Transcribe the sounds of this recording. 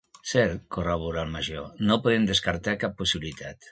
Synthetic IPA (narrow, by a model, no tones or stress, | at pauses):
sɛɾkoraβuɾalmaʒonopoðemd̪eskaɾt̪akapːusiβilit̪at̪